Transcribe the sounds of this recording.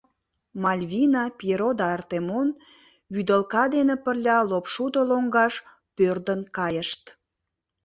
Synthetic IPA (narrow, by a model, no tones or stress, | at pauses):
mɑlʲβinɑpeɾod̪ɑːrt̪emon | βyd̪əlkɑd̪enepərlʲɑlopʃud̪oloŋɡɑʃ | pørd̪ənkɑjəʃt̪